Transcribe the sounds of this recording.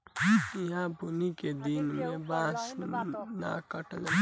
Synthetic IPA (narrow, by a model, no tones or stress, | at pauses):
iɦãbuniked̪inmẽbãːsna̰kəʈl